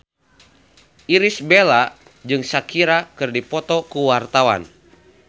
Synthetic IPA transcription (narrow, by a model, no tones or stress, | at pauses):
ʔiɾisbela | d͡ʒɨŋsakiɾakɨrdipɔt̪ɔkuwart̪awa̰n